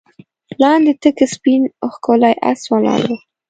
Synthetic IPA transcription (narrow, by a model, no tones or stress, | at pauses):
lɑnd̪et̪əkəspinoxkolajʔa̰swalɑ̰d̪e